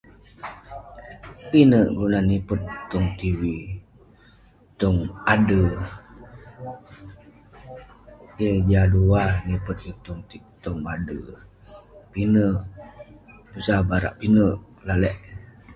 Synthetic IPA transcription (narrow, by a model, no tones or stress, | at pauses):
pinəʔɡunanipət̪̚ːɔŋt̪iwi | t̪ɔŋadə | ked͡ʒaduahnipət̪̚it̪uŋt̪i | t̪ɔŋadə | pinəʔ | pusabaɾa̰ʔpinəʔ | lalɛʔ